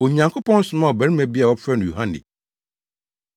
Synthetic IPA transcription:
o˨ɲã˨ŋkʰo˦pʰɔ̃˦n̩˦sʊ˨˦mã˦˨ɔ˨bæ˨ɾɪ˦mæ˨bi˦a˨wɔ˦pʰɾɛ˦nʊ̃˨ju˨ɦã˦nɪ̰˨

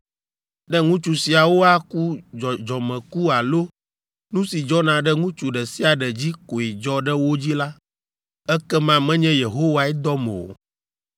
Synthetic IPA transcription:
ɖɛ˦ŋũ˦t͡ʃu˨si˨a˨wo˦a˦ku˦d͡ʒɔ˨d͡ʒɔ˨mɛ̃˨ku˦a˨lo˦ | nũ˦si˨d͡ʒɔ˦nã˨ɖɛ˦ŋũ˦t͡ʃu˨ɖɛ˨si˦a˨ɖɛ˨d͡ʑi˦ko˨i˨d͡ʒɔ˦ɖɛ˦wo˦d͡ʑi˦la˦ | ɛ˦kɛ˦mã˦mɛ̃˦ɲɛ̃˦je˨ɦo˦wa˨ɛ˦d̪ɔ˦mɛ̰˨o̰˨

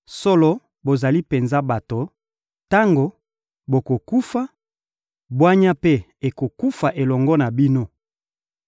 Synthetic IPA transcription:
so˦lɔ˦ | bo˨za˨li˦pe˨nza˦ba˨to˨ | ta˦ŋɡo˨ | bo˨ko˨ku˦fa˦ | bwa˦ɲa˦pe˦ | e˨ko˨ku˦fa˨ʔe˨lɔ˨ŋɡɔ˦na˨bi˦no˦

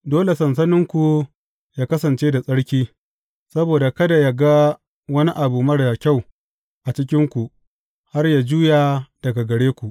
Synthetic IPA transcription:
doː˦le˨sɐ˨ns̬ɐ˦nɪ˦ŋkʷu˨ | jaː˦kɐ˦sɐ˨nt͡ʃeː˦da˨sʼɐ˦ɽkʲiː˦ | sɐ˦boː˨da˨kɐ˦da˨ja˦ɡa˦ | wɐ˦ni˦ʔa˨buː˨mɐ˦ɽda˨kʲa˦˨w | ʔa˨t͡ʃɪ˦k̬ʲɪ˦ŋkʷu˨ʔ | ha˦rja˨d͡ʒuː˦ja˨d̥ɐ˨ɡa˨ɡɐ˨ɽeː˦kʷu˨ʔ

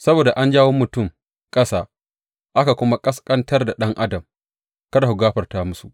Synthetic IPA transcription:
sɐ˦boː˨da˨ʔa˦nd͡ʒaː˦woː˦mʊ˨tʊ˦˨m | kʼɐ˦saː˦ | ʔa˦ka˨kʷʊ˦ma˦kʼɐ˦skʼɐ˦ntɐ˦rda˨ɗɐ˦ŋʔa˦dɐ˨m | kɐ˦da˨hʊ˨ɡaː˦ɸɐ˨rtaː˦mʊ˦sṵ˨ʔ

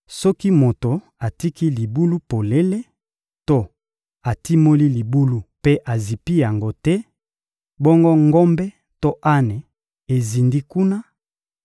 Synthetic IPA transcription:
sɔ˦ki˦mo˨to˨ | a˨ti˦ki˦li˨bu˦lu˦po˨le˦le˦ | to˦ | a˨ti˦mo˦li˦li˨bu˦lu˦pe˦ʔa˨zi˨pi˦ja˨ŋɡo˦tɛ˦ | bɔ˦ŋɡo˦ŋɡo˦mbɛ˦ | to˦ʔa˦ne˨ | e˨zi˨ndi˦ku˦na˦

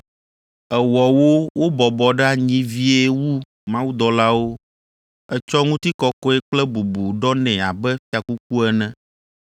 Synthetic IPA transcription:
ɛ˨wɔ˨wo˦wo˦bɔ˨bɔ˨ɖɛ˦a˨ɲĩ˦vi˦e˦wu˦ | mã˦wu˦d̪ɔ˨la˦wo˦ | ɛ˦t͡ʃɔ˦ŋũ˦t̪i˦kɔ˦kɔ˦ɛ˦k͡plɛ˦bu˨bu˨ɖɔ˦nɛ̃˨a˨bɛ˦fi˦a˨ku˦k̚u˦ɛ˨nɛ̃˦

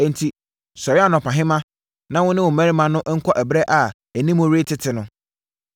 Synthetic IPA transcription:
ɛ˨n̩˨tʰi˨ | sɔ˨ɾa˦˨nɔ̃˨pʰã˨ɦɪ̃˦mã˦ | nã˦wʊ̃˦nɪ̃˦wʊ˨mæ̃˦ɾi˦mã˨nʊ̃˦ʔŋ̩˦kʰʷɔ˦ʔæ˨bɾɛ˦ʔa˨ | æ˨nĩ˦mʊ̃˦ɾe˦tʰɪ˦tʰɪ˨nʊ̃˨˦

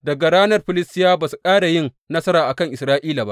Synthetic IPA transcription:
dɐ˨ɡa˨ɾaː˦nɐ˦rɸɪ˨lɪ˦stɪ˦jaː˦baː˨su˨kʼaː˦ɽa˨jɪ˦˨n | nɐ˦sɐ˦ɾaː˨ʔa˨kɐ˦ŋʔɪ˨sɾaː˦ʔiː˦laː˨ba̰˦ʔ

